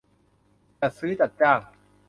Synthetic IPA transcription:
t͡ɕa˨˩sɯː˦˥t͡ɕa˨˩t̪̚t͡ɕaː˥˩ŋ

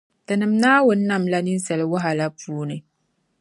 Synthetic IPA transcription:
tɨ˨nɨ˨m˦naː˦wʊ˨˦nː˦a˦˨mla˦ni˦n˦sɛ˨lɪ˨˦wa˦ɦa˨la˦puː˦nɨ˨

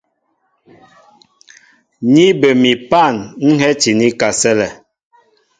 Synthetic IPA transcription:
ɲi˦bə˨mi˨pa˦˨nŋ̩˦ɦɛ˦t͡ʃi˨ni˦ka˨sɛ˦lɛ˨

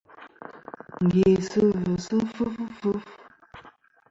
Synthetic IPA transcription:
ŋ̩˨ɡe˨sə˦və˨sə˦fə˦ffə˦f

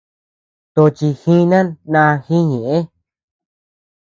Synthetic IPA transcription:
t̪o˧t͡ʃi˧xĩ˦nã˦nã˧xĩ˦ɲẽ˨ʔẽ˦

